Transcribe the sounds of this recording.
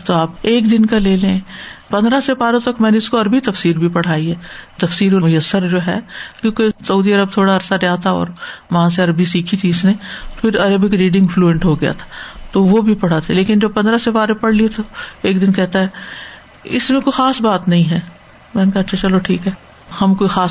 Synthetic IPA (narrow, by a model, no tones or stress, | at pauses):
t̪oaːpeːkd̪ɪnkaleːlẽpɐ̃nd̪ɾasepaːɾõt̪ɐkmɛ̃ːneɪskoɐɾbit̪ɐfsiːɾbʱipɐɽ̤aːiɦɛːt̪ɐfsiːɾomʊjəsːəɾd͡ʒoːɦɛ̰kjõːkesɐuːd̪iɐɾəb̚t̪ʰoːɽaɐɾsadejat̪ʰaɔ̰ːɾʋɐɦãs̬eɐɾəbʱisiːkʰit̪ʰiɪsnet̪opʰɪɾɐɾəbɪkɾiːɖɪ̃ŋɡfluːə̃ɳʈɦoɡɐja̰t̪ʰḁt̪oʋobʱipɐɽ̤at̪ʰeleːkɪnd͡ʒobpɐ̃nd̪ɾasepaːɾepɐɽ̤liet̪oeːk̚d̪ɪnkɛɦt̪aɦɛ | ɪ̰smẽkoːixaːsbaːt̪nɐɦĩɦɛː | mɛ̃ːnekaɐtːʃʰat͡ʃɐloʈʰiːkɦɛː | hɐmkoːixaːs